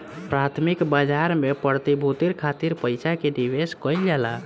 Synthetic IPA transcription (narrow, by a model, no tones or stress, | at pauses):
pɾat̪ʰmikbəd͡ʒaɾmepəɾt̪ibʱut̪iɾkʰat̪iɾpəjsʰaked̪iʋeskɔld͡ʒala